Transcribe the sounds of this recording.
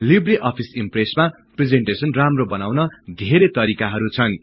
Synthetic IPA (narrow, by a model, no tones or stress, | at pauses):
libriʔʌpʰisimpresma | pred͡zeɳʈesʌnramrobʌnawnʌd̪ʱeɾet̪ʌɾikaɦʌɾut͡sʰʌn